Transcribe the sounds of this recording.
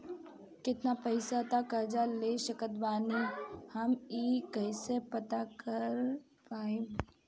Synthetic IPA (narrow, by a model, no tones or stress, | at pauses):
kɪt̪napəɪsat̪akəɾd͡ʒaleʃəkət̪baːnihɐmikəɪsepət̪akəɾ | paːeː